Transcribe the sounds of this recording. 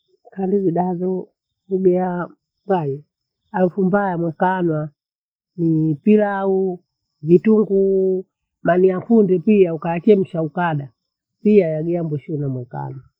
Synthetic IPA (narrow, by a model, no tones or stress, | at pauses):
kandiviɗazɔ | uɡɛa | majɛ | alufumbajamwɛkanwa | nipilau | vituŋɡu | maniakundɛpiaukaat͡ʃɛm̩ʃaukaɗa | piajaɡɛambwɛʃunamwɛka̰nwa